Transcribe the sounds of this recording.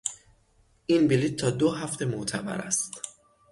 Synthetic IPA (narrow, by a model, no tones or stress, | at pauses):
ʔinbilit̪̚ʰːɒːd̪oɦæft̪ʰe̞moʔt̪ʰæbæ̰ɾæ̰st̪